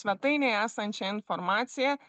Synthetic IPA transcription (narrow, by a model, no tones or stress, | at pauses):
ʋʲɛt̪ɐɪnʲɛæːsɐnʲt͡ʃʲɛɪnfɔɾmaːt̪sʲɪjɛ